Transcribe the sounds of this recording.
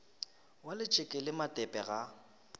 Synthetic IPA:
walɪt͡ʃʼɪkʼɪlɪmatʼɛpʼɛɣa

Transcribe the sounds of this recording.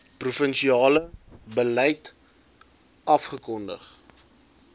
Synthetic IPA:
prufənʃiɑːləbəlɛjt | ɐfχəkɔndə̰χ

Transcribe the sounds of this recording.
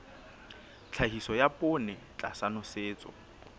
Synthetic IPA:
t͡ɬʰaɦisɔjapʼʊnɛt͡ɬʼa̰sanʊseːt͡sʼɔ̰

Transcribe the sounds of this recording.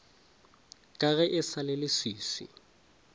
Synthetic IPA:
kʼaɣɛʔɪsalelɪsiːsḭ

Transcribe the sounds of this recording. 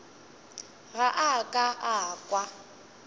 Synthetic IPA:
ɣaʔakʼaʔakʼwa

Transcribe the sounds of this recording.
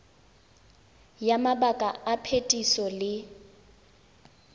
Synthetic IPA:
jamabakʼaapʰetʼisɔlɪ

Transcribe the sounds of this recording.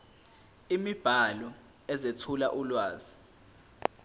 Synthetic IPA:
imib̥ʱalɔ | ɛzetʰulaʔulwaːzi

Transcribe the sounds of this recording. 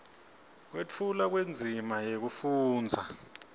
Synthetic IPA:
k̬wet͡fʰulak̬wend͡zʱimajek̬ufuːnd͡zʱa

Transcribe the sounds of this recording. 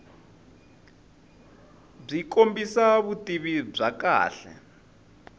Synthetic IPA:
b͡ʐikombisaβutiβib͡ʐaka̰ːɬɛ̰

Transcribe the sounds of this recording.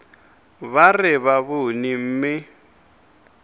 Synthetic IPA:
βarɪβaβʊnim̩ːmɪ

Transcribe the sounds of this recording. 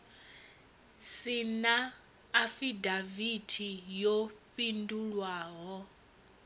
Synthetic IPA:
sinaː | fidavitʰijopʼinduɺwaːɦɔ

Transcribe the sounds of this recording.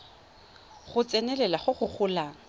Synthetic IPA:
χʊt͡sʼɛnɛlɛlaχʊχʊχʰʊːlaːŋ̩

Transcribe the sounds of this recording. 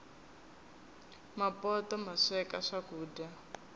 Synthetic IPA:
mapɔtɔmaʂɛkaʂakuːda

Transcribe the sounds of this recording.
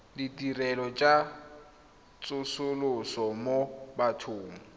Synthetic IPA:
dɪtʼirɛlɔt͡ʃʼa | t͡sʼʊsʊlʊsɔmobatʰʊːmɔ

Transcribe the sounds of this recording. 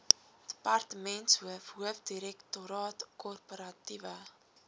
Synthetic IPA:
d̥ə̥pɐrtəmɛntsɦuəfɦuəfdiɾɛktuɾɑːtkɔrpoɾɐtivə

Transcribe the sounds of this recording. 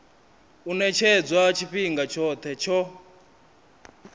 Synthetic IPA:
unɛt͡ʃʰɛd͡zwat͡ʃʰiɸiŋɡat͡ʃʰɔt̪ʰɛt͡ʃʰɔ

